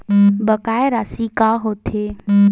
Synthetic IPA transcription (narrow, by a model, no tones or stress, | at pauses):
bəkaːeɾaːsikaːɦoːt̪ʰe